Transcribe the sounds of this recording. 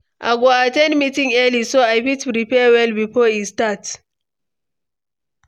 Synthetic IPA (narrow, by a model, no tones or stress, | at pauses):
ʔa̰ɡoatɛ̃ndmitĩŋɛlisoajfitɾipɛwɛlbifɔistat